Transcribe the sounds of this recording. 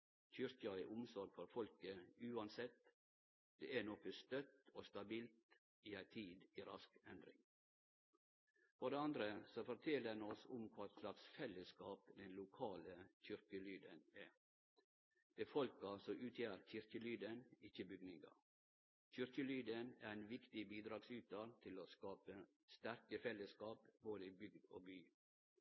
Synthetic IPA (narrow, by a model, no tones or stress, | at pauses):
çʏɾkɑɛʔʊmsɔɾɡfɔɾfɔlkəʉːɑnsɛt̪ | d̪̥eːænɔkəst̪œt̪oːst̪ɑbiːlt̪ | iːæɪt̪ʰiːd̪iːɾɑ̰skɛnd̪ɾɪ̰ŋ | fɔɖeːɑnd̪ɾəsɔfɔɾʈ̪ʰɛləɛnɔsʊmkʰʋɑːɛt̪slɑksfɛlːəskɑːpd̪ɛnlʊkʰɑːləçʏɾkəlyːd̪ənæ | b̥ɛfɔlkɑsɔʔʉːt̪ʰjæːɾçʏɾkəlyːd̪ənɪçəbʏɡnɪŋɑ̰ | çʏɾkəlyːd̪ənæɾæɪnʋɪkt̪ɪbiːd̪ɾɑːɡsʉːt̪̚d̪ɑːlt̪ʰɪloːskɑːpə | st̪æɾkəfɛlːəskɑːpboːd̪əibʏɡd̪o̰ːbyː